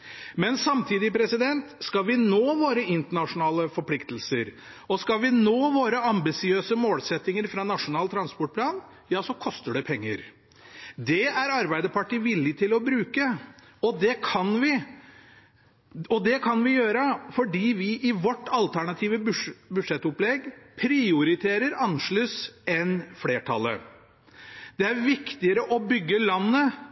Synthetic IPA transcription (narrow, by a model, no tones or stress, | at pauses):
mɛnsɑmt̪ʰiːd̪ɪpʰɾɛsɪd̪ɛnt̪skɑʋɪnoːʋoːɾəɪnt̪əɳɑʂʊnɑːləfɔɾpʰlɪkt̪əlsəɾ | ɔskɑlʋɪnoːʋoːɾəɑmbɪsɪøːsəmoːlsɛt̪ːɪŋəɾfɾɑnɑʂʊnɑːlt̪ʰɾɑnspɔʈ̚pʰlɑːn | jɑːsɔkʰɔst̪əɖɛpʰɛŋːəɾ | d̪ɛæɾɑɾbæɪd̪əpʰɑʈiʋɪlːɪt̪ʰɪlɔbɾʉːkə | ɔd̪ɛkʰɑnʋɪ | ɔd̪ɛkʰɑnʋɪjøːɾəfɔɖiːʋɪʔɪʋɔʈːɑlt̪ʰæɳɑt̪ʰiːʋəbʂbʉd̪ʂɛt̪ːʊplɛɡpʰɾɪʊɾɪt̪ʰeːɾəɾɑnːʂɭʉːsɛnfleːʈʰɑ̰lːə̰ | d̪̥ɛæɾʋɪkt̪ɪəɾəʔɔbʏɡːəlɑnːə